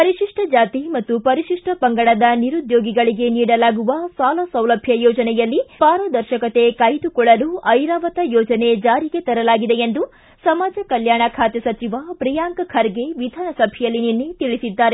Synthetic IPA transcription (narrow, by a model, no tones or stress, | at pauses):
pɐɾiʃiʂʈʰɐd͡ʒaːt̪imɐt̪ːupɐɾiʃiʂʈʰɐpɐŋɡɐɽɐd̪ɐniɾud̪joːɡiɡɐɭiɡe̞niːɽɐlaːɡuʋɐsaːlɐsɐwlɐbʱjɐjɔːd͡ʒɐnɛjɐlːipaːɾɐd̪ɐɾʃɐkɐt̪e̞kɐjt̪ukɔɭɐluʔɐjɾaːʋɐt̪ɐjɔːd͡ʒɐne̞d͡ʒaːɾiɡe̞t̪ɐɾɐlaːɡid̪e̞end̪u | sɐmaːd͡ʒɐkɐljaːɳɐkʰaːt̪jɐsɐt͡ʃiʋapɾijaːŋkɐkʰɐɾɡe̞ʋid̪ʱaːnɐsɐbʱijɐlːininejt̪iɭisid̪ːaːɾe